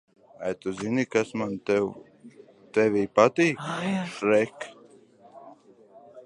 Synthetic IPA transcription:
ajt̪uzinikasmant̪ɛw | t̪ɛviːpat̪iːkʃɾɛk

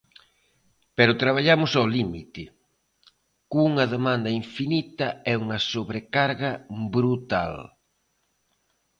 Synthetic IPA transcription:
pɛɾʊt̪ɾaβ̞aʎamʊsawlimit̪ɪ | kuŋɐðemãnd̪ɐiɱfinit̪ɐɛuŋɐsoβɾekaɾɣɐbɾut̪a̰l

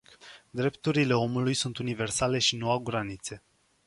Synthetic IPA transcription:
d̪ɾe̞pt̪uɾile̞o̞mulujsunt̪unive̞rsale̞ʃinuawɡɾanit̪se̞

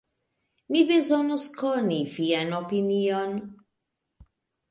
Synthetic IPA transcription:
mibezɔnuskɔnifiɛnɔpiniɔn

